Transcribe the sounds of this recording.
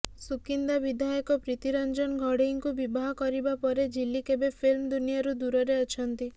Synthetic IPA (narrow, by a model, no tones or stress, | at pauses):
sukind̪abid̪ʱajɔkɔpɾit̪iɾɔnd͡ʒɔnɡʱɔɽiŋkubibaɦɔkɔɾibapɔɾed͡ʒilːikebepʰilmd̪unijaɾud̪uɾɔɾeɔt͡ʃʰɔnt̪i